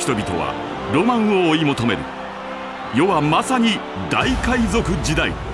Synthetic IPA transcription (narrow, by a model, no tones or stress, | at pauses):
çi̥t̪o̞bʲit̪o̞̰βa̰ | ɾo̞mãɰ̃o̞ːimo̞t̪o̞me̞̰ɾɯ̟ | jo̞βamasaɲ̟i | d̪aikaizo̞kɯ̟d͡ʑid̪aḭ